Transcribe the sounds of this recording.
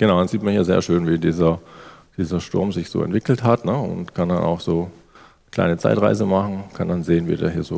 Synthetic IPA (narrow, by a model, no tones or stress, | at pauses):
ɡ̥ənaʊdanziːtmanhiːɐzḛːɐʃøːnviːdiːzɐd̥iːzɐʃtʊɐmzɪçz̥o̰ːɛ̰ntv̥ɪkl̩thatnəʊ̰ntkʰanda̰na̰ʊxz̥oː | kʰl̥a̰ɪnət͡sa̰ɪtʁa̰ɪzəmaχn̩kʰandanzeːənvḭːdḛːɐɦiːɐzoː